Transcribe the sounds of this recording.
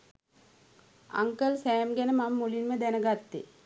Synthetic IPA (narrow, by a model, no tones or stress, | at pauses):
a̰ŋkəlsæːmɡænəmamːulinməd̪ænəɡat̪ːe